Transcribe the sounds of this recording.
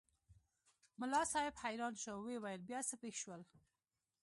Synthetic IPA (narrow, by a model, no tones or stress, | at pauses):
mʊlɑsɑjɪbhajɾɑnʃowewajəlbjɑsəpexʃwəl